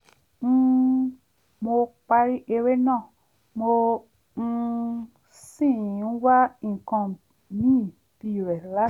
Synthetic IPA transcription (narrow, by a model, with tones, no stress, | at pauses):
n̩˦ | mo˧k͡pa˧ɾi˦ʔe˧ɾe˦nã˦˨ | mo˧ | sĩ˦˨n̩˦wa˦ĩ˨kɔ̃˧˨ | nĩ˦˨ | bi˨ɾɛ˨la˦